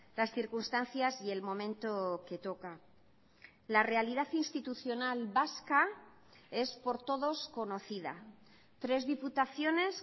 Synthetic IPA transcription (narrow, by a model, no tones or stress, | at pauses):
lasθiɾkunst̪anθjasie̞lmõ̞mẽ̞nt̪o̞ke̞t̪o̞ka | lare̞aliðaθinst̪it̪uθjo̞nalβaska | e̞spo̞ɾt̪o̞ðo̞sko̞no̞θiða̰ | t̪ɾe̞zðiput̪aθjo̞ne̞s